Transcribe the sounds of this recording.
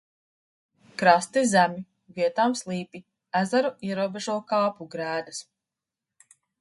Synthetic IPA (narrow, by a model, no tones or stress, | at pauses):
kɾast̪izæmʲi | viɛt̪aːmslˠiːpi | æzaɾuiɛɾuɔbeʒuɔkaːpuɡɾæːd̪as